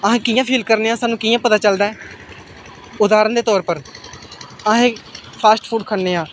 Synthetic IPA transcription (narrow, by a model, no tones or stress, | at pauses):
əɦãːkɪjãːpʰiːlkəɾneːãːsaːnːũːkɪːjãːpət̪aːt͡ʃəld̪aːɛː | ʊd̪aːɾənd̪eːt̪ɔːɾpəɾ | əɦẽːpʰaːsʈpʰuːɖkʰəɳneːãː